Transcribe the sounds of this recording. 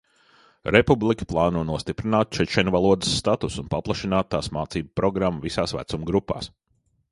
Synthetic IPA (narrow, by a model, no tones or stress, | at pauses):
ɾepublˠikʲi̥plˠaːnuɔnuɔst̪ipɾinaːt̪̚t͡ʃɛt͡ʃɛnʲvalˠuɔd̪əsːt̪at̪usunpaplˠaʃinaːt̪ːaːsmaːt̪siːbpɾɔɡɾamːavisaːsvæ̰t̪sumɡɾupːa̰ːs